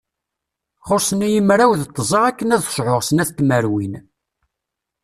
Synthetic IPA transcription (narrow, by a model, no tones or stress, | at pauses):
χoɾsˤənijəmɾæwðt̪ˤːəzˤɑʁækːənæðʃʕoʁsənæθt̪ːməɾwin